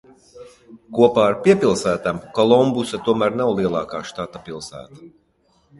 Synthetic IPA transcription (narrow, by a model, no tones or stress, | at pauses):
kuɔpaːaɾpʲiɛpʲilˠsæːt̪amkɔlˠɔmbusat̪uɔmæːɾnawlˠiɛlˠɑ̰ːkaːʃt̪at̪ːapilˠsæ̰ːt̪ḁ